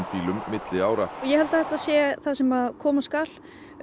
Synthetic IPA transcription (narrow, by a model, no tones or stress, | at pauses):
nt̪iːlʏmːɪt̪lɪaːwɾajɛhɛlt̪ḁθɛht̪aðsjɛθaðsɛmaðkʰɔːmaskal